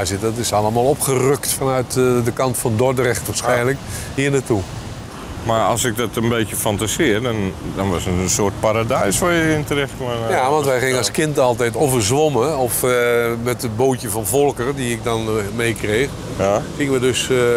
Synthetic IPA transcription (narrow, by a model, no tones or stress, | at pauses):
asɪɔtɪsɑlˠəmaːlˠɔpχərøktfanœɥtdəkɑntfɔndɔrdərɛxtʋaɹsxɛjnlək | hiənatu | maɑ̰lˠsɪk̚dɔtənbejtjəfantasɪərdɔndɔnʋasətənsoərt̚paɾadɛjsʋɔjəɪntərɛxtmajaʋɔ̃ntʋɛjɣɪŋənaskɪntɑlˠtɛjtovərzʋoməɔfmɛtəboːtjəvɔnvɔlˠkərdiɪk̚dɔnmejkreːx | xɪŋəʋədøs